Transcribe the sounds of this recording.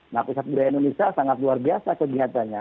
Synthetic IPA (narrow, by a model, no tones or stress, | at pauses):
napusat̪̚budajindonesiasaŋat̪luarbiasakəɡiat̪anɲa